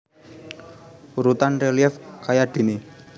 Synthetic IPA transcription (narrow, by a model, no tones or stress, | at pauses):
uɾut̪anreliɛfkajad̪̥e̤ni